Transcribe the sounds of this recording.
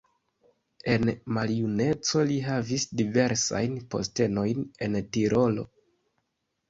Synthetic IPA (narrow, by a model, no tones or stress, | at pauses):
e̞nmaljune̞t͡so̞liɦavisdive̞ɾsa̰jnpo̞̰ste̞no̞jne̞ntiɾʔo̞lo̞̰